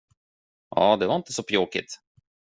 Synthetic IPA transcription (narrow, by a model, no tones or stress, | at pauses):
ʔɑ̰ːd̪ɛvaɾɪnt̪əsɔpʰjoːkɪ̰t̪